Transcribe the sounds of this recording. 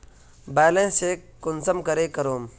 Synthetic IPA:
baːlẽːseːkːʊnsəmkəɾeːkəɾoːm

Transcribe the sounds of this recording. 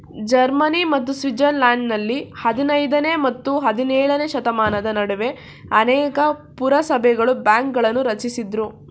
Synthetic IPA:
d͡ʒɐɾmɐnimɐt̪̬ːusʋid͡ʒɐnlaːɳɖnɐlːihɐd̪inɐjd̪ɐne̞mɐt̪ːuɦɐd̪inɛːɭɐne̞ʃɐt̪ɐmaːnɐd̪ɐnɐɽuʋe̞ | ɐnɛːkɐpuɾɐsɐbʱɛɡɐɭubaːŋk̚ɡɐɭɐnːuɾɐt͡ʃisid̪ɾu

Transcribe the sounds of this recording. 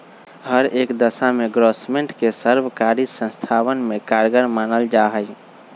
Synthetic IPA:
ɦəɾekd̪əsameɡɾosmeɳʈkesəɾbkaɾisə̃nst̪ʰaʋənmekaɾɡəɾmanəld͡ʒaɦəj

